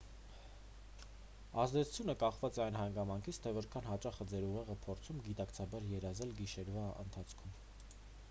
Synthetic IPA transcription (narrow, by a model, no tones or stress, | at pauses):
ɑzd̪ɛt͡sʰu̥t͡sʰjunəkɑχvɑt͡sɛɑjnɦɑŋɡɑmɑŋkʰit͡sʰt̪ʰɛvɔɾkʰɑnɦɑt͡ʃɑχəd͡zɛɾuʁɛʁəpʰɔɾt͡sʰumɡit̪ɑkt͡sʰɑbɑɾjɛɾɑzɛlɡiʃɛɾvɑə̰nt̪ʰɑt͡sʰkʰum